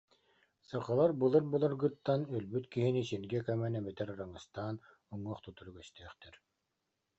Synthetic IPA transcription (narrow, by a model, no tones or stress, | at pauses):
saqɯlˠaɾbɯlˠɯɾbɯlˠɯɾɡɯt̪ːanœlbyt̪kiɦinisiɾɡɛkɛmɛnɛmɛt̪ɛɾaɾaŋɯst̪aːn | ɔŋːɔːχt̪ut̪uɾyɡɛst̪ɛːχt̪ɛɾ